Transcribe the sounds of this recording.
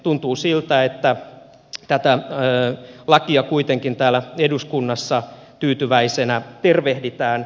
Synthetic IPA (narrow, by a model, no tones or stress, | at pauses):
t̪unt̪uːsilt̪æet̪ːæ | t̪æt̪æøːlɑkiɑkuit̪eŋkint̪æːlæeduskunːɑsːɑ | t̪yːt̪yʋæisenæt̪erʋehdit̪æːn